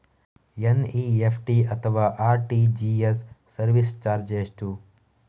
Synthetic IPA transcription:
eniːepʰʈiɐt̪ʰʋaːʔaːɾʈiːd͡ʒiːesː | ɐɾʋist͡ʃaːɾd͡ʒeːsʈu

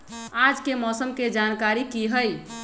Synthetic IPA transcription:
ad͡ʒkemɔsəmked͡ʒankaɾikiɦəj

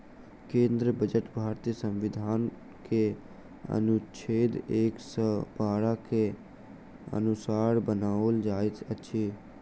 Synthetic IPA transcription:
kẽːnd̪ɾəbəd͡ʒəʈbʱaːɾt̪ijəsə̃mʋɪd̪ʱaːn | ke | ə̰nut͡ʃʰeːd̪eːksəbaːɽake | ə̰nʊsaːɾbənaːold͡ʒaːɪt̪ətːʃʰiː

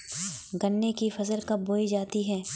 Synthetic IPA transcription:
ɡɐnːekifɐzəɾkɐboːid͡ʒaːt̪iɦɛː

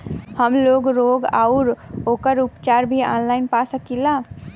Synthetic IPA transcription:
həmloɡɾoɡa̰ʊɾokəɾupt͡ʃaɾbʱiɔ̰nlaɪnpasəkila

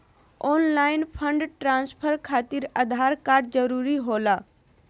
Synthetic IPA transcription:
ɔːnlaːɪnpʰəɳɖʈɾãːnspʰəɾkʰaːt̪iɾəd̪ʱaːɾkaːɾɖd͡ʒəɾuːɾiɦoːlaː

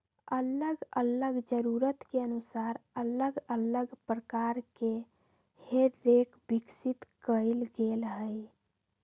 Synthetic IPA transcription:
ələɡələɡd͡ʒəɾuɾət̪keənusaɾələɡələɡpɾəkaɾke | heɾːekbiksit̪kəɪlɡelɦəj

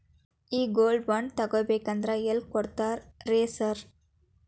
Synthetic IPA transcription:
iːɡoːlɖʋɐnt̪ɐɣɔbekːɐnd̪ɾajɛlkɔɽt̪ːaːɾɾeːsɐɾ

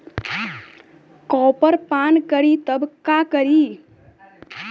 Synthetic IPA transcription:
kɔːpəɾpaːnkəɾit̪əbkakəɾiː

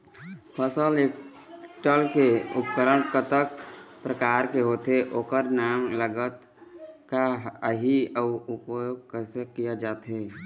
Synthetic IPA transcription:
pʰəsəleːk | ʈəlkeʊpkəɾəɳʈkət̪əkpɾəkaːɾkeɦoːt̪eʔoːkəɾnaːmləɡət̪ | kaəɦiəʊpjoːɡkəsekijad͡ʒaːt̪ɦeː

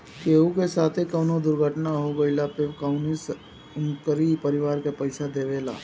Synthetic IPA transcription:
keːukesaːt̪ʰekɐʊnod̪ʊɾɡʱəʈnaɦoɡɐilapɪʋkaʊnis | ʊŋkəɾipɐɾɪʋaːɾkepɐɪʃad̪eːʋeːla̰ː

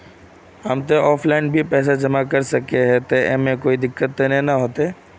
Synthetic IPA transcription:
ɦɐmt̪̬eʔɔːpʰlaɪnbʱipɛːs̬ad͡ʒɐmakɐɾsɐkeɦɛt̪eʔemẽkoːid̪ɪkːət̪̚ːenẽnɐɦoːt̪e

